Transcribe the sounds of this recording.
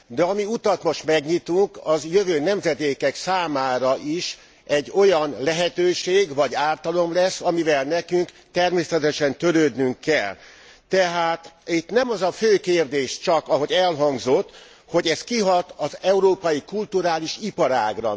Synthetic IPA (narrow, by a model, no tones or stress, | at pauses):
d̪ɛɒmiut̪ɒt̪mo̞ʃt̪mɛɡɲit̪uŋkɒzjøvøːnɛmzɛd̪eːkɛksaːmaːɾɒʔiʃ | ɛɟːo̞jɒnlɛɦɛt̪øːʃeːɡvɒɟaːlt̪ɒlo̞mlɛsːɒmivɛlnɛkyŋk | t̪ɛrmeːsɛt̪ɛʃɛnt̪ø̞ɾøːd̪nyŋkʰːɛlt̪ɛɦaːt̪it̪nɛmɒzɒføːkeːrd̪eːʃt͡ʃɒkɒɦo̞ɟɛlɦɒŋɡzot̪ː | ho̞ɟɛs̚kiɦɒt̪ɒzɛuɾoːpɒjikult̪uɾaːliʃipɒɾa̰ːɡrɒ̰